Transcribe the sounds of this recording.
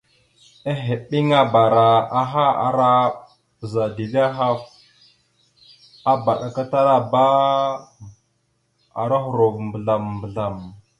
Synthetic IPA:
a˦ɦe˨ɓi˦ŋa˦ba˨ɾa˨a˦ɦa˦a̰˨ɾa˦ | pə˨za˨di˨ɮi˦a˦ɦa˦f | a˦ba˨ɗa˨ka˦ta˦ɾa˦ba˦ | a̰˨ɾa˦xu˨ɾo˨vmbə˨ɮa˨mbə˨ɮa˨m

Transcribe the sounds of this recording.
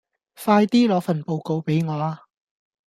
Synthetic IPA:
faː˧jt̪iː˥lɔː˨˧˥fɐ˨npo˨wko˨wpe˨˥jŋɔː˨˧a˧

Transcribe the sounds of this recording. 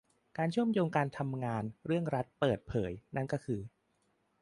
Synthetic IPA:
kaː˧nt͡ɕʰu˥˩əmjoː˧ŋkaː˧nt̪ʰa˧mŋaː˧nɾɯ˥˩əŋɾa˦˥t̪̚pɤː˨˩t̪̚pʰɤː˩˦jna˥˩nkɔː˥˩kʰɯː˧

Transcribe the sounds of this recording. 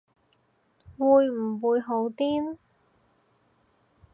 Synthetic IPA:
wuː˨˧jm̩˨˩wuː˨˧jɦo˨˧˥wt̪iː˥n

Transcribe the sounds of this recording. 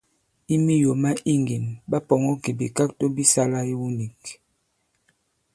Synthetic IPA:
i˦mi˦jo˨ma˦ʔi˦ŋɡi˨mba˦pɔ˨ŋɔ˦ki˨bḭ˨ka˦k̚to˦bi˦sa˦la˦i˦wu˦ni˨k

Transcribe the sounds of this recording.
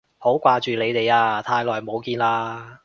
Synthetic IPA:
ho˨˥wkʷaː˧t͡ʃyː˨le˨˧jt̪e˨jaː˧t̪ʰaː˧jlɔː˨jmo˨˧wkiː˧nlaː˧

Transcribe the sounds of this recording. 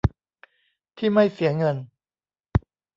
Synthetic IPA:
t̪ʰiː˥˩ma˥˩jsi˨˩˦ɐŋɤ˧n

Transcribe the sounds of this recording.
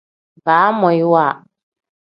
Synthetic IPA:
baː˨˦mɔ˨jwaː˦˨

